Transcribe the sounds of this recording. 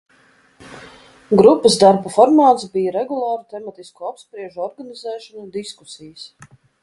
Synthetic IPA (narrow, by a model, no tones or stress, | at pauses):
ɡɾupːəzd̪aɾbafɔɾmaːt̪sbijaɾɛɡulˠɑːɾut̪ɛmat̪iskuapspɾiɛʒuɔɾɡanizɛːʃɔnud̪isku̥sijəs